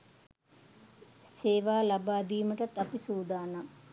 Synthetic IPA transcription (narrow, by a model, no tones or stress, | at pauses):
seːʋaːlabaːd̪iːməʈɐt̪ːapisuːd̪aːna